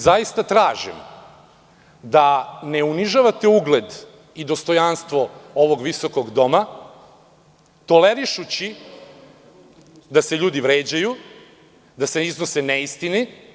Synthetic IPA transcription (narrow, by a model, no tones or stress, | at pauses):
zajist̪at̪ɾaːʒḭm | d̪aneuniʒaʋat̪euɡled̪ | id̪ost̪o̞janst̪ʋo̞o̞ʋo̞ɡʋiso̞koɡd̪o̞ma | t̪o̞leɾiʃut͡ɕi | d̪aseʎuːd̪iʋɾeːd͡ʑaju | d̪aseiznoseneist̪ini